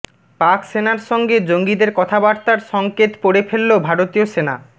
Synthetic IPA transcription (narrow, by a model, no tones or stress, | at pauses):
paksenaɾʃɔŋɡed͡ʑoŋɡid̪eɾkɔt̪ʰabaɾt̪aɾʃɔŋket̪poɽefʰelːobʱaɾot̪ioʃena̰